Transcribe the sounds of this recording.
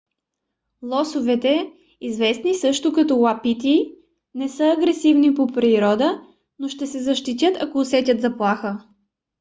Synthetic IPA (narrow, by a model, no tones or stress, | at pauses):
lˠɔsʊvɛt̪ɛ | izvɛsnisɤʃt̪ʊkɐt̪ɔwapit̪i | nɛsɤɐɡɾɛsivnipopɾiɾɔd̪ə | noʃt̪ɛsɛzɐʃt̪it̪̬ʲjət̪ɐkoːsɛt̪ʲət̪zɐplˠaxə